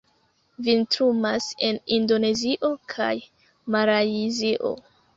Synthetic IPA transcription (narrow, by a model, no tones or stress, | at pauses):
vintɾumase̞nindo̞ne̞ziʔo̞kʰa̰j | maɾaiziʔo̞̰